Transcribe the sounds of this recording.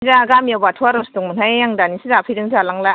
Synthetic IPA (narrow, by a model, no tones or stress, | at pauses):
zaɡamjabatʰuaɾɔstuŋmɯnajjaŋdanisizapʰɯjɾɯŋzalaŋla